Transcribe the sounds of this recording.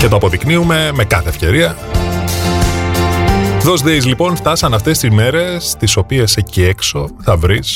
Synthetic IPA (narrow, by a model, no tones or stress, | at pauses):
cet̪oɐpo̞ðikniume̞me̞kɐθe̞ːfce̞ɾiɐ | ðo̞zðeizlipo̞nft̪ɐsɐnɐft̪e̞st̪izme̞ɾe̞st̪iso̞pieseciekso̞θɐvɾis